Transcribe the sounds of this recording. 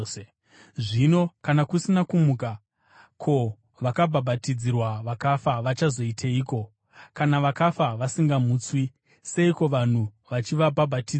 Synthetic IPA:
ʐino̞kanakusinakumuka | kʰo̞ | ʋakabʱabʱatid͡zirwaʋakafaʋat͡ʃazo̞itʰeiːko̞ | kanaʋakafaʋasiŋɡamuːt͡swi | se̞iko̞ʋan̤u | ʋat͡ʃiʋabʱabʱatid͡z

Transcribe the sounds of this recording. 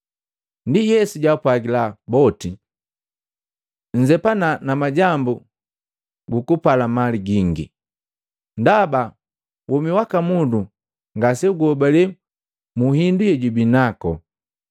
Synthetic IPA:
ndijɛsuɟaupwaɡilabɔti | ɲ̩d͡ʒɛpananamaɟambu | ɡukupalamaliɡiŋɡḭ | ndaba | wʔɔmiwakamudu | ŋɡasɛuɡɔbalɛ | muhindujɛɟubinakɔ

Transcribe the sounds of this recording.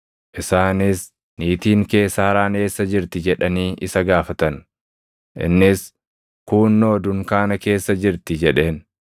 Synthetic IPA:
ʔɪsaːnɪs | niːt̪iːŋke̞ːsːaːɾaːne̞ːsːɐd͡ʒɪɾt̪ɪd͡ʒɛᶑɐniːʔɪsɐɡaːfɐt̪ɐn | ʔɪ̰nːɪs | kuːnːoːd̪ʊŋkaːnɐke̞ːsːɐd͡ʒɪɾt̪ɪd͡ʒɛᶑe̞ːn

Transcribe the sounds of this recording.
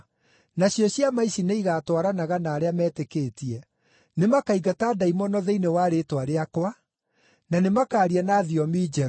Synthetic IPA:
naɕjɔɕjamaisineiɣaːtwaɾanaɣanaːɾeamɛːtekeːtiɛ | nemakaiɡataːdaimɔnɔðɛinewaɾetwaɾeakwa | nanemakaːɾianaːðiɔmiːd͡ʒɛɾ

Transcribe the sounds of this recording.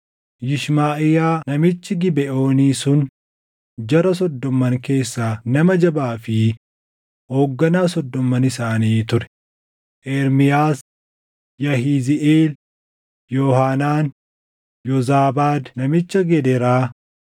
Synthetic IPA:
jɪʃmaːʔɪjaːnɐmɪt͡ʃːɪɡɪbɛʔo̞ːniːsʊn | d͡ʒɐɾɐs̬ɔd̪ːɔmːɐŋke̞ːsːaːnɐmɐd͡ʒɐbaːfɪ | ho̞ːɡːɐnaːsɔd̪ːɔmːɐnɪsaːniːt̪ʊɾɛ̥ | ʔɛɾmɪjaːs | jɐhiːzɪʔeːl | jɔːhaːnaːn | jɔzaːbaːd̪nɐmɪt͡ʃːɐɡɛd̪ɛɾaː

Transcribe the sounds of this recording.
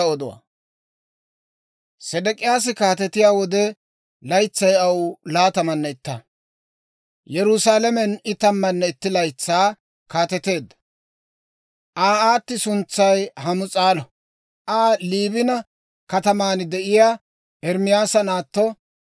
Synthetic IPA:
ɔd̪ɔwa̰ | sɛd̪ɛkʼɪjaːs̬ɪkaːt̪ɛt̪ɪjaːwɔd̪ɛ | lɐjt͡sːɐjɐwʊlaːt̪ɐmɐnːɛɪt̪ːɐ | jɛɾʊsaːlɛmɛnɪt̪ɐmːɐnːɛɪt̪ːɪlɐjt͡sːaː | kaːt̪ɛt̪ːe̞ːd̪ːɐ̥ | ʔaːaːt̪ːɪsʊnt͡sːɐjhɐmʊt͡sʼaːlɔ | ʔaːliːbɪnɐ | kɐt̪ɐmaːnɪd̪ɛʔɪjaː | ʔɛɾmɪjaːsɐnaːt̪ːɔ

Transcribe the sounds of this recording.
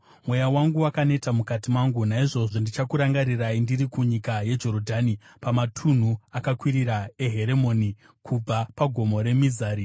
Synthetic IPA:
mwe̞jawaŋɡuwakane̞tamukatimwaŋɡunaiʐo̞ʐo̞ndit͡ʃakuɾaŋɡaɾiraindiɾikuɲikaje̞d͡ʒo̞ɾodʱaːnipamatʰun̤uakakwiɾiɾae̞ɦe̞ɾe̞mo̞ni | kʰub͡vapaɡʱo̞mo̞ɾe̞mizaːɾi

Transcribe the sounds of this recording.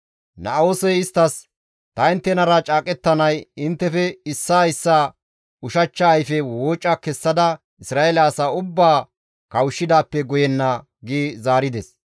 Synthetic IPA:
nɐoːsɛjɪst̪ːɐs | t̪ɐɪnt̪ːɛnɐɾɐt͡ʃʼaːkʼɛt̪ːɐnɐjɪnt̪ːɛfɛɪsːaːɪsːaː | ʊʃɐt͡ʃːɐːjfɛwoːt͡ʃʼːɐkɛsːɐd̪ɐ | ɪsɾaːelɐːsaːʊbːaː | kɐwʊʃːɪd̪aːpːɛɡɔjɛnːɐ | ɡiːzaːɾɪd̪ɛs

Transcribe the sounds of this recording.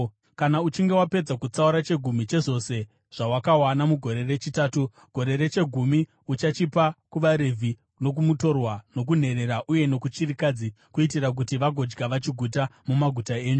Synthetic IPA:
kanaut͡ʃiŋɡe̞wape̞d͡zakut͡sauɾat͡ʃe̞ɡʱumit͡ʃe̞ʐo̞se̞ | ʐ̥awakawanamuɡʱo̞ɾe̞re̞t͡ʃitaːtu | ɡ̥ʱo̞ɾe̞ɾet͡ʃe̞ɡʱumi | ut͡ʃat͡ʃipakuʋaɾe̞vʱi | no̞k̬umuto̞rwano̞k̬un̤e̞ɾe̞ɾaʔuje̞no̞kut͡ʃirikad͡zi | kuitirak̬utiʋaɡʱo̞d͡ʒɡaʋat͡ʃiɡʱutamumaɡʱutae̞ːɲu

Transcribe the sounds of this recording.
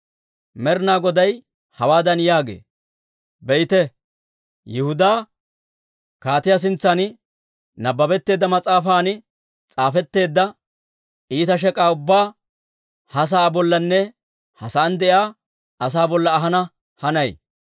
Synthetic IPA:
mɛɾnaːɡɔd̪ɐj | hɐwaːd̪ɐnjaːɡḛː | bɛjɪt̪ɛ | jɪhʊd̪aː | kaːt̪ɪjas̬ɪnt͡sːɐnɪ | nɐbːɐbɛt̪ːe̞ːd̪ːɐmɐt͡sʼaːfaːn | t͡sʼaːfɛt̪ːe̞ːd̪ːɐ | ʔiːt̪ɐʃ̬ɛkʼaːʊbːaː | hɐs̬aːbɔlːɐnːɛ | hɐsɐːnd̪ɛjaː | ʔɐs̬aːbɔlːɐːɦɐnɐ | hɐnɐj

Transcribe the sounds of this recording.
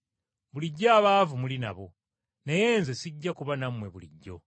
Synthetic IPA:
βuliɟːaːβaːvumulina̰βo̞ | neje̞ːnzesiɟːakuβanamwe̞βulḭɟːo̞̰

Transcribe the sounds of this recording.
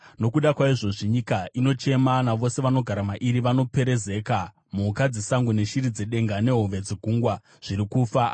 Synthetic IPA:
no̞kuɗakwaiʐo̞ʐiɲikaino̞t͡ʃe̞manaʋo̞se̞ʋano̞ɡʱaɾamaʔiɾiʋano̞pe̞ɾe̞ze̞ka | mukad͡zisaŋɡune̞ʃiɾid͡ze̞ɗe̞ŋɡane̞ɦoʋed͡ziɡʱuŋɡwa | ʐ̥iɾikufa

